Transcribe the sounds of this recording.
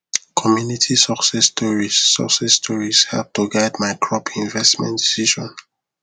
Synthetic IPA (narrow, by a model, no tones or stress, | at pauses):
kʰɔmjunitʰisɔksɛstɔɹisːɔ̰ksɛstʰɔɹishɛ̰p̚tuɡaɪdmaɪkʰɹɔpʰĩnvɛstmɛ̰̃ndisiʃɔ̃n